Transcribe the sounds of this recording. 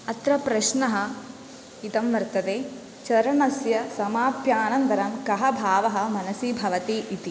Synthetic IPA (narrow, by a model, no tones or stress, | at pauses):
ɐt̪ɾɐpɾɐʃnɐɦɐ̆ | it̪ɐmʋɐɾt̪ɐd̪eː | t͡ʃɐɾɐɳɐsjɐsɐmaːpjaːnɐnt̪ɐɾɐmkɐɦɐbʱaːʋɐɦɐ̆mɐnɐsiːbʱɐʋɐt̪iʔit̪i